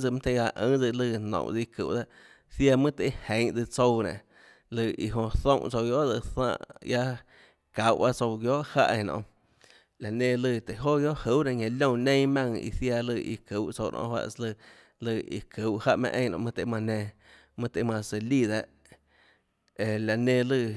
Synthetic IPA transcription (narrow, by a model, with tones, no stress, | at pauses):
d͡zɨ˧mã˦t̪e˧a˧˨ʔə̃˨˦d͡zɨ˧lɨ˧nõ̰˨ʔd͡zɨ˧kɨ̰˨ʔd̪a˦ʔ | θja˧mɨ̃˦t̪e˧˦hẽ˨˦ŋʔd͡zɨ˧t͡so˧wnḛ̃˨ | lɨ˧˨i˧ɦõ˧θõ˧˨ʔt͡so˧wjo˦ʔd͡zɨ˧θã̰ː˧˨ʔja˦ | ka˨˦˨wba˦t͡so˧ɡjo˦ʔha̰˦˧ʔẽ˧˨nɔ̰̃˧˨ | la˨nẽ˧lɨ˧˨t̪e˨ɦo˦ɡjo˦ʔhu˦wnã˧˨ɲẽ˧lʲõ˦˧˨nẽ˦mã˧ŋḭ˧θja˧lɨ˧ʔḭ˧˨kɨ˨˦wʔt͡so˧wnʔɔ̰̃˧hwa̰˧ʔslɨ˧ | lɨ˧˨ḭ˧˨kʰɨ˨wʔha˦ʔmḛ̃˧ʔẽ˧j̃nɔ̰̃˧mɨ̃˦˧t̪e˧˨˦mã˧nẽ˧ | mɨ̃˦t̪e˧˨˦mã˧se˧li˦˧˨d̪a˧ʔ | e˧˨la˨nẽ˧lɨ˧